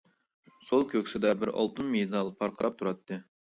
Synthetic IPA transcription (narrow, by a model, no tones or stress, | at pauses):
solˠkʲʰøkʲsɪd̪ɛbɪɾɑ̰lˠt̪ɨnmid̪ɑlˠpʰɑɾqʰəɾɑp̚t̪ʰuɾɑt̪ːɨ